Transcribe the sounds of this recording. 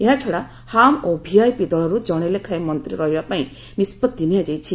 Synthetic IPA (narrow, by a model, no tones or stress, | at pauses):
eɦat͡ʃʰɔɽa | hamobʱiajpid̪ɔɭɔɾud͡ʒɔɽ̃elekʰajmɔnt̪ɾiɾɔɦibapaĩ | nispɔt̪d̪inead͡ʒajt͡ʃʰi